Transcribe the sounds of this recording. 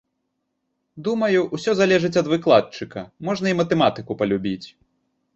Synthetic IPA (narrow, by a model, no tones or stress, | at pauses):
d̪umɐjuʔwsʲɔzalʲɛʐɨt͡sʲɐd̪vɨklˠat̪̚t͡ʂɨkɐmɔʐnɐimɐt̪ɛmat̪ɨkupɐlʲubʲit͡sʲ